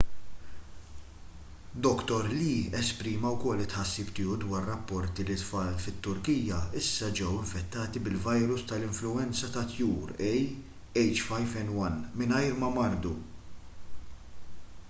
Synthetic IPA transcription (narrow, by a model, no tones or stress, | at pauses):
d̪ɔkt̪ɔɾliːɛspɾiːmɐwkɔlːɪt̪ħɐsːiːpt̪ɪːud̪wɐːɾrɐpːɔɾt̪ilit̪fɐːlfɪt̪ːʊɾkijjɐɪsːɐd͡ʒɛwɪɱfɛt̪ːɐːt̪ibɪlvɐjɾʊst̪ɐlɪɱflʊɛnt͡sɐt̪ɐt̪juːɾɛj | ɛjt͡ʃfɐjvɛnwɐnmɪnɐjɾmɐmɐɾd̪u